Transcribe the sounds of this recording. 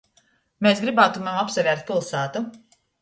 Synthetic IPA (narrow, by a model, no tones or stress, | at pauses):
meːsɡɾibaːt̪umamapsɛvʲɛːɾt̪̚pilˠsæːt̪u